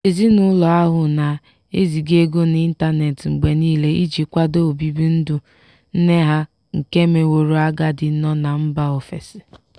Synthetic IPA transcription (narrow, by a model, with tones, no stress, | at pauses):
e˨zi˦nʊ˦lɔ˨a˦ɦʊ˨na˨ | e˦zi˨ɡe˦ɡo˦n˦i˦n̩˦ta˦ne˨tŋ͡m̩˨ɡ͡be˨niː˦le˦i˦d͡ʒi˨kʷa˦do˦o˨bi˦bi˦n̩˦du˨ | n̩˦ne˦ɦa˦ | ŋ̩˨ke˦me˨wo˨ɾo˨a˦ɡa˦dɪ˨˦nɔ˦na˨m̩˦ba˦o˨fe˨sɪ̥˨